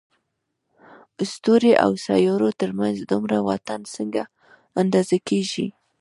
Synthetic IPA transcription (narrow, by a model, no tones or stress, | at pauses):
ʊst̪oɾeʔa̰wsɑjɑɾot̪əɾmanzd̪ʊmɾawa̰t̪ansəŋɡa | and̪ɑzakeʒi